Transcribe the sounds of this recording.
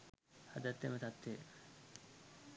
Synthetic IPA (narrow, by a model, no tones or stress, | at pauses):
had̪at̪ːemat̪at̪ːe